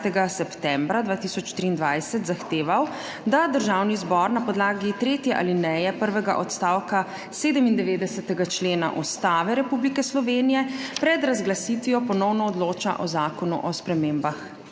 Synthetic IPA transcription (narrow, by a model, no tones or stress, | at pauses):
t̪ɛɡasɛpt̪ɛmbɾad̪vʋaːt̪isɔt͡ʃt̪ɾiːnd̪ʋajsɛt̪zaxt̪eːʋaw | d̪ad̪əɾʒawnizbɔɾnapɔd̪laːɡit̪ɾeːt̪jɛʔa̰linɛjɛpəɾʋɛɡa̰ʔɔt̪st̪aːwka | seːd̪əmind̪ɛʋeːd̪ɛsɛt̪ɛɡat͡ʃleːna̰ʔɔst̪aːʋɛɾɛpublikɛslɔʋeːnijɛpɾɛd̪ɾazɡlasit̪ʋijɔpɔnɔwnɔːd̪loːt͡ʃa̰ʔɔzaːkɔnṵʔɔspɾɛmeːmbax